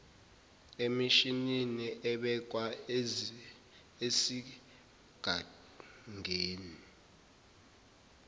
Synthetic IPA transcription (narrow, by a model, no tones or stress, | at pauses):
emiʃininiʔɛɓɛk̬ʼwa | esi | ɡ̥ʱa | ŋʱeːni